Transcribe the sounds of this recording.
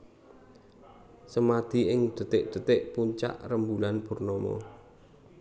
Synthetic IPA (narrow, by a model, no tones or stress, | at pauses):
səmad̪̥i̤ɪŋd̪̥ə̤t̪ɪʔd̪̥ə̤t̪ɪʔpuɲt͡ʃa̰ʔrəmbulanb̥ṳrnɔmɔ̰